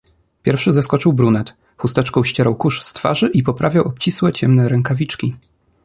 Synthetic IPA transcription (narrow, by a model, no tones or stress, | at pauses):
pʲjɛɾfʂɘzaskɔt͡ʂɘwbɾunɛt̪ | xust̪ɛt͡ʂkɔ̃w̃ɕt͡ɕeɾawkuʂst̪fa̰ʐɘʔipɔpɾʔavʲjawɔp̚t͡ɕiswɛt͡ɕɛmnɛɾɛŋkavʲit͡ʂkʲi